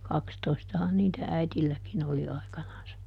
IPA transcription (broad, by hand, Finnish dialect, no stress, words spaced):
kɑkstoistɑhɑn niːtæ æitilːækin oli ɑikɑnɑnsɑ